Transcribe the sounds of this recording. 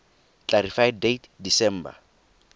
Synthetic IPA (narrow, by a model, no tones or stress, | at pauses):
t͡ɬaɾifajdejtdisɛm̩ːba̰